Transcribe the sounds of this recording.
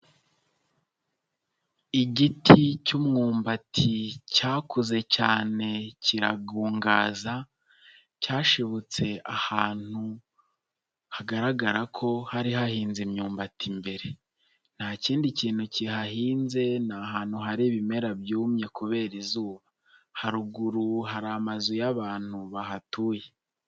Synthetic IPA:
iɟitʰicumŋuːmbatʰicaːkuze̞caːne̞cʰiɾaɡuːŋɡaːza | caːʃeβut͡se̞ahaːn̥hu | haɡaɾaɡaɾakʰo̞haɾiɦahiːnzimɲuːmbatʰimbe̞ɾe̞ | n̥haciːndiciːn̥huciɦaɦiːnze̞naɦaːn̥huɦaɾiβime̞ɾabjuːmɲe̞kuβe̞ːɾizuːβa | haɾuɡuɾuɦaɾamazujaβaːn̥huβaɦatuːje

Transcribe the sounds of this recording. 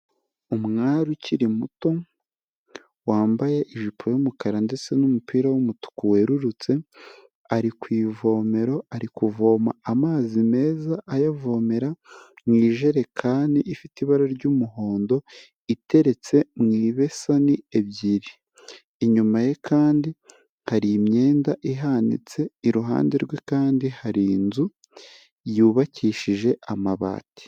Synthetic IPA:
umŋaːɾuciɾimuto̞ | waːmbajeʔiʒipʰojomukaɾande̞t͡se̞numupiːɾawumutu̥kuwe̞ɾuɾut͡se̞ | aɾikwiːvo̞ːme̞ɾo̞aɾikuvo̞ːmaamaːzime̞ːzaʔːjavo̞ːme̞ɾa | mŋiːʒe̞ɾe̞kʰaːniʔifitiβaɾaɾɟuːmuɦo̞ːndo̞ | itʰe̞ɾe̞t͡se̞mŋiːβe̞sanie̞βɟiɾiː | ɲumajekʰaːndi | haɾimɲe̞ːndaʔiɦanḭt͡se̞iɾuɦa̰ːndeɾɡwe̞kaːndihaɾinzu | juːβaciːʃiʒe̞amaβa̰ːti̥

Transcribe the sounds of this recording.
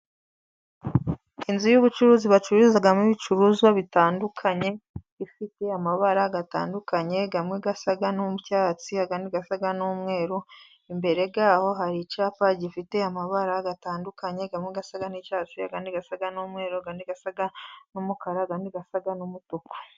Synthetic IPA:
inzijuβut͡ʃuɾuːziβat͡ʃuɾuzaɡamiβit͡ʃuɾuzwaβitaːndukʰaɲe̞ | ifite̞amaβaɾaɡata̰ːndukaɲe̞ɡamŋeɡasaɡanumucaːt͡siaɡaniɡasaɡanumŋe̞ːɾo | imbe̞ɾe̞ɡaːho̞ɦaɾicaːpaɟifite̞amaβaɾaɡataːndukaɲe̞ɡamŋeɡasaɡanicaːt͡sia̰ɡaniɡasaɡanumŋe̞ːɾoɡaniɡasaɡanumukaɾaɡaniɡasaɡanumutuko̥

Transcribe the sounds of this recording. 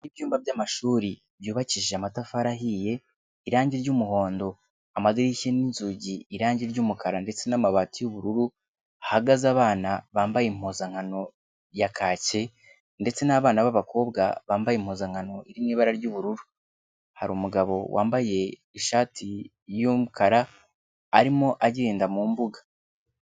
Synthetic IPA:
nibjuːmbabɟaːmaʃuːɾi | bjuːβaciʒeamatafaɾaɦije̞ | iɾaːɲɟiɾɟuːmuho̞ːndo̞ | amaziɾiceninzuɟiːɾaːɲɟiɾɟuːmukʰaɾande̞t͡se̞namaβaːtijuβuɾuɾu | ahaɡazaːβaːnaβaːmbajem̥hozaŋ̥ano̞ | jakʰaːce̞ | nde̞t͡se̞naːβaːnaβaβakʰo̞ːbɡa̰βaːmbajem̥hoːzaŋ̥hano̞ʔiɾimniːβaɾaɾɟuːβuɾuɾu | haɾumuɡaβo̞wa̰ːmbaje̞ | iʃaːtʰi | jumukaɾaː | ɾimoʔaɟiɾiːndamuːmbuɡḁ

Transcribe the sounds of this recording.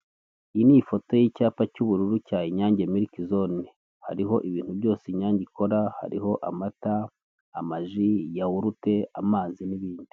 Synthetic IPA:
iniːfo̞to̞jiːcaːpacuβuɾuɾucaːjiɲaːɲɟemiɾikizoni | ha̰ɾiɦo̞ʔiβiːn̥huβjo̞ːsiɲaːɲɟiko̞ɾaha̰ɾiɦo̞ʔamataː | maʒijawuɾute̞amaːziniβiːndi

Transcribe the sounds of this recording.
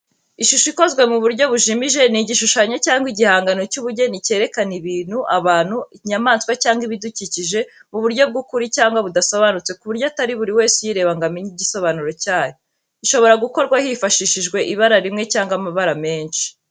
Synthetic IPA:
iʃuʃoiko̞zɡwe̞muβuɾɟo̞βuʒimiʒe̞niɟiʃuʃaɲocaːŋɡwiɟihaːŋɡano̞cuβuɾɟe̞nice̞ːɾe̞kaniβiːn̥huʔaβaːn̥huɲamaːnskwacaːŋɡiβiduciciʒe̞muβuɾɟo̞b̚ɡukuɾicaːŋɡwaβudaso̞βanut͡se̞kuβuɾɟoataɾiβuɾiwe̞ːsujiɾe̞ːβaŋɡamiɲiɟiso̞βanuɾo̞caːjo | iʃo̞βo̞ɾaɡuko̞ɾɡwahifaʃiʃiʒɡwe̞ʔiβaɾaɾimŋe̞caːŋɡwamaβaɾame̞ːnʃi̥

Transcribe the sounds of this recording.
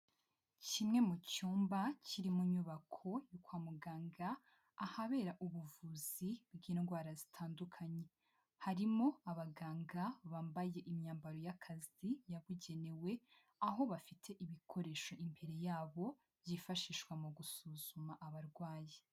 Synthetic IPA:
cimŋe̞mucuːmbaciɾimuɲuβakʰo̞jukwaːmuɡaːŋɡaː | haβe̞ːɾaʔuβuvuzibɡiːnɡwaːɾazitʰaːndukʰaɲe̞ | haɾimo̞aβaɡaːŋɡaβaːmbaje̞ʔimɲaːmbaɾo̞jakʰazijaβuɟe̞ne̞we̞ | aɦo̞βafitʰe̞ʔiβikʰo̞ɾe̞ːʃo̞ʔimpʰe̞ɾe̞jaːβo̞ | bjifaʃiːʃkwamuɡusuzumaʔaβaɾɡwaːje

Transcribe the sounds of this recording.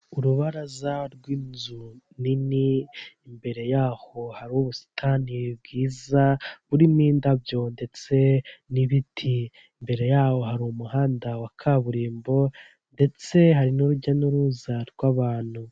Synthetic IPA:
uɾuβaɾazaɾɡwiːnzuniniː | mbe̞ɾe̞jaːho̞haɾiuβusi̥tʰaniβibɡiːzaβuɾimiːndabjo̞nde̞t͡se̞niβitʰi | imbe̞ɾe̞jaːho̞haɾuumuɦaːndawakʰaβuɾiːmbo̞ | nde̞t͡se̞ɦaɾinuɾuɟanuɾuzaɾɡwaβaːn̥hu

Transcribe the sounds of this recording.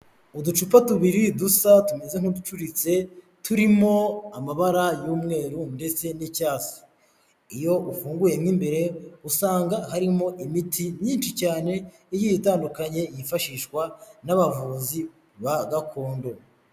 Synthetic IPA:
udut͡ʃupatuβiɾidusatume̞ze̞ŋ̥udut͡ʃuɾit͡se̞ | tʰuɾimo̞amaβaɾajuːmŋe̞ːɾunde̞t͡se̞nicaːsi̥ | ijo̞ʔufuːŋɡuje̞mŋiːmbe̞ɾe̞usaːŋɡaɦaɾimo̞ʔimitʰiɲiːnt͡ʃicaːne̞ | ijijitaːndukaɲe̞jifaʃiːʃkwanaβavuːzi | βaɡakʰo̞ːndo̞

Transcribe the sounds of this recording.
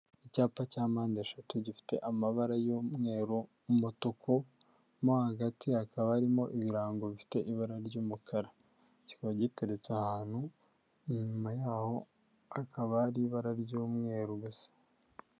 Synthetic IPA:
icaːpacaːmaːndeʃatuɟifi̥te̞̰ʔamaβaɾajomŋe̞ːɾo | motokʰo | mohaɡatʰiakaβaːɾimo̞ʔiβiɾaːŋɡo̞βifi̥te̞ʔiβaɾaɾɟuːmukʰaɾa | ci̥kaβaɟiteɾet͡sahaːn̥hu | iɲumajaːho̞ | akʰaβaːɾiβaɾaɾɟoːmŋe̞ːɾuɡosḁ

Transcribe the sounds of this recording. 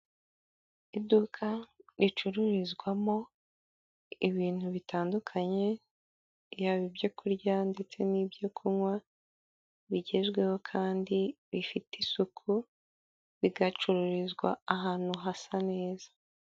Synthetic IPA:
idukʰaɾit͡ʃuɾuɾizɡwamo̞ | iβiːn̥huβitaːndukʰaɲe̞ | jaβibjo̞kuɾɟande̞t͡se̞nibɟo̞kʰumwa | βiɟe̞ʒɡwe̞ho̞kʰaːndi | βifitisukʰu | βiɡat͡ʃuɾuɾizɡwa̰ːɦaːn̥huɦasane̞ːzḁ

